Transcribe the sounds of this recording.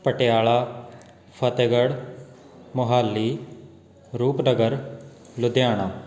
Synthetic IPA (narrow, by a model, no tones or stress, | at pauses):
pəʈɪjaːɭaː | pʰət̪eɡəɽ | mʊɦaːlːiː | ɾuːpnəɡəɾ | lʊd̪jaːɽ̃aː